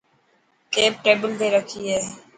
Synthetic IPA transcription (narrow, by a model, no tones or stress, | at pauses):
keːp̚ʈɾeːbəlt̪eːɾəkʰiːɦeː